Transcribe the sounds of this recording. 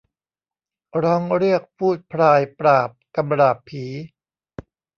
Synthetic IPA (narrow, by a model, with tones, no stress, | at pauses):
ɾɔː˦˥ŋɾi˥˩ək̚pʰuː˥˩t̪̚pʰɾaː˧jpɾaː˨˩p̚ka˧mɾaː˨˩pʰiː˩˦